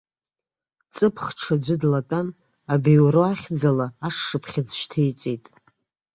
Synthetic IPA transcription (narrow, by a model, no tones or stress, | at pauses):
t͡sʼɨpʰχʈ͡ʂʰad͡ʒʷʊdlatʼon | abewɾoaχʲd͡zalaaʂːɨpʰχʲɪd͡zʃtʰejt͡sʼejtʼ